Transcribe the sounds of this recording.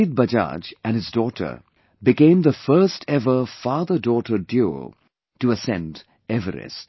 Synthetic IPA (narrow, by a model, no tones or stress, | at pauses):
id̚bʌd͡ʒa̰d͡ʒʔæ̃nɨzdɔʈʰə̰ | bɪkẽɪ̃mðəfɜ˞stʰɛvə˞fɑːðədɔːʈədjo̰ | tuəsɛ̰̃nd | ɛvəɾɪ̰s